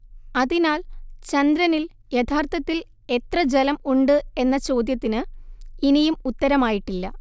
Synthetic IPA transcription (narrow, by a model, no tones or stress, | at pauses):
ɐðinaːlt͡ɕɐnd̪ɾɐnil | jet̪ʰaːrt̪ʰɐt̪ːil | e̞t̪rɐd͡ʑelɐmuɳɖɨe̞nːɐt͡ɕo̞ːd̪jɐt̪ːinɨinijumut̪ːɐɾɐmaːjiʈːilːɐ